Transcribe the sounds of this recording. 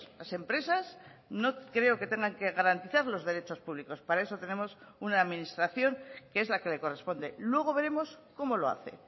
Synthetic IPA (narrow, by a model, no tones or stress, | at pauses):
lase̞mpɾe̞sas | no̞kɾe̞o̞ke̞t̪e̞ŋɡaŋke̞ɣaɾant̪iθaɾlo̞zðe̞ɾe̞t͡ʃo̞spuβ̞liko̞spaɾae̞so̞t̪e̞ne̞mo̞sunaːðminist̪ɾaθjo̞ŋkee̞zlake̞le̞ko̞re̞spo̞nd̪e̞lwe̞ɣ̞o̞βe̞ɾe̞mo̞sko̞mo̞lo̞a̰θe̞̰